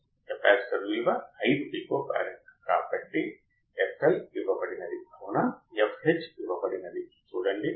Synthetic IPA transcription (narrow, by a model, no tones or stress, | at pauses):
kɐpɛːssɐɾʋiːʋɐɐjd̪biːkopa̰ːɾɐkɾaːpɐʈːi | epʰɐliʋɐpɐɽinɐd̪ibʱɐwnajɐfɦet͡ʃiʋɐpɐɽinɐd̪i | suːɽɐɳɖi